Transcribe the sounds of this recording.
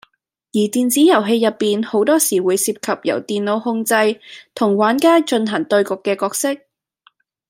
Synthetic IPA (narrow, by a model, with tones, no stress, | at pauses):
jiː˨˩t̪iː˨nt͡siː˨˥jɐ˨˩wɦe˧jɐ˨pːiː˨nho˨˥wt̪ɔː˥siː˨˩wuː˨˧jsiː˧p̚kʰɐ˨p̚jɐ̰˨˩wt̪iː˨nlo˨˧whʊ˧ŋt͡sɐ˧jt̪ʰʊ˨˩ŋwaː˨˥nkaː˥t͡ʃɵ˧nɦɐ˨˩ŋt̪ɵ˧ɥkʊ˨˧kːɛː˧kɔː˧k̚sɪ˥k̚